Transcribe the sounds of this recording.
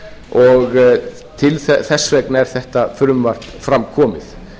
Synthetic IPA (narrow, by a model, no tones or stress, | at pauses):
ɔɣ | t̪ʰɪlθɛθɛsːvɛknɛɾ̥θɛht̪afʏɾʏmvar̥t̪fɾamkʰɔːmɪθ